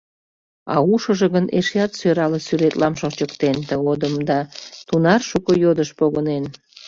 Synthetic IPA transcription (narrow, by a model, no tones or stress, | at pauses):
ɑ̰uʃəʒəɣəneʃjɑt̪søɾɑləsyɾet̪lɑmʃot͡ɕəkt̪ent̪əɣod̪əmd̪ɑt̪unɑrʃukojod̪əʃpoɣənen